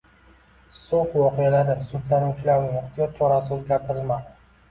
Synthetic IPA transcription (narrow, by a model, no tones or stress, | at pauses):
sot̪wɒqijalaɾɪsʊd̪lanʊt͡ʃlaɾnɪɪqt̪ʰijɒt̪̚t͡ʃʰɒɾasɪozɡʲaɾt̪ʰɪɾɪlmad̪ɪ